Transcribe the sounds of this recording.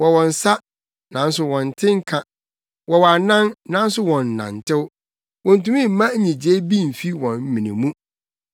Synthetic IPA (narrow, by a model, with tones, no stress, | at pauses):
wɔ˨wɔ̃˨n˨sa˦ | nã˨n̩˦s̬ʊ˦wɔ̃˨n̩˨tʰɪ̃˦ŋ̩˦kʰã˦ | wɔ˨wa˨nã˦nnã˨˦n̩˦sʊ˦wɔ̃˨n̩ː˨ã̰˨n̩˨tʰɪ˦w | wɔ̃˨n˨tũ˦mĩ˦˨m̩˨mã˦ɲĩ˨d͡ʑe˦bi˦˨m̩˨fi˦wɔ̃˨nm̩˦mĩ˨nḭ̃˨mũ˦